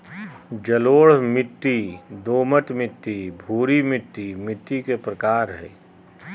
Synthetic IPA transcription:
d͡ʒɐloːɽ̤mɪt̪ːid̪oːmət̪mɪt̪ːibʱuːɾimɪt̪ːimɪt̪ːikepɾɐkaːɾɦɛ̰ː

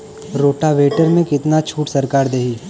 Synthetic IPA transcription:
ɾoːʈaʋeːʈəɾmẽkɪt̪nat͡ʃʰuːʈsɐɾkaːɾd̪eːɦiː

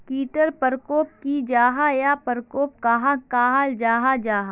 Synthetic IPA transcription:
kiːʈəɾpəɾkoːp̚kid͡ʒaːɦajapəɾkoːp̚kaɦãkaːɦald͡ʒaːɦad͡ʒaːɦa

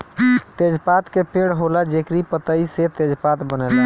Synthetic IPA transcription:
t̪ed͡ʒpat̪kepeɽɦolad͡ʒekɾipət̪əiset̪ed͡ʒpat̪bənɛla

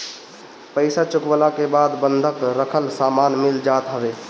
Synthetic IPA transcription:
pəɪsat͡ʃʊkʋəlakebad̪bənd̪ʱəkɾəkʰəlsamanmɪld͡ʒat̪ɦəbe

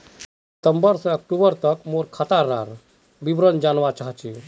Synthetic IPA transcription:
t̪əmbəɾsəək̚ʈubəɾt̪əkmoɾkʰat̪aɾːa̰ɾ | bibɾənd͡ʒanʋat͡ʃaɦt͡ʃe

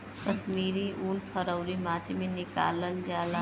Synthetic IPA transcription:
kəsmiːɾiʔunpʰəɾəʊɾimãt͡ʃimenɪka̰lənd͡ʒala

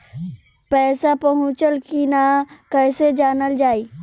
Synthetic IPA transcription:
pɛːsapəɦʊ̃t͡ʃəlkinakɛːsed͡ʒaːnəld͡ʒaːiː

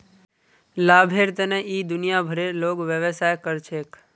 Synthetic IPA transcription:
laːbʱeɾt̪əneʔiːd̪ʊnijabʱəɾeloːɡʋjəʋəsajkəɾt͡ʃʰeːk

